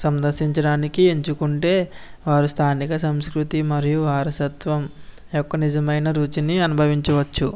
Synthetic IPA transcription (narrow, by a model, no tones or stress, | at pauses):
sɐnd̪ɐɾʃiɲt͡ʃɐɽaːnikieɲt͡ʃukuɳʈe̞ːʋaːɾust̪ʰaːnikɐsɐmskɾut̪imɐɾijuʋaːɾɐsɐt̪ʋɐm | jɔkːɐnid͡ʒɐmɐjnɐɾuːt͡ʃiniɐnubʱɐʋiɲt͡ʃɐʋɐt͡ʃːu